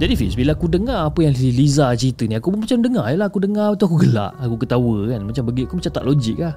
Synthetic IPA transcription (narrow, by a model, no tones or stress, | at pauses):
d͡ʒadifḭsbilaakudəŋaːpəjaŋilizat͡ʃɾit̪əniakubmat͡ʃamdəŋajəlahakudəŋaat̪uakuɡəla̰ʔakukət̪awəkanmat͡ʃambəɡiʔakumat͡ʃamt̪a̰ʔlod͡ʒik̚la